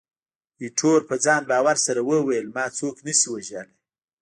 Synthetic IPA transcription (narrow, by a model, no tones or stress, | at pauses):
iʈʰoɾpəd͡zɑnbɑwaɾsaɾawəwajəlmɑt͡soknəsiwaʒale